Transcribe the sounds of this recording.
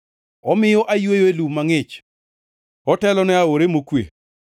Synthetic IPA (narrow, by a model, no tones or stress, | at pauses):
ɔmɪjɔʔajwejoelumaŋɪt͡ʃ | ɔtɛlɔnɛaoɾemokwḛ